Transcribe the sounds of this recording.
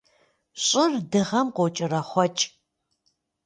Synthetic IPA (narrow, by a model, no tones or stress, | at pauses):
ɕʼɪrdɨʁɐmqʷowt͡ʃʼɪrɐχʷɔt͡ʃʼ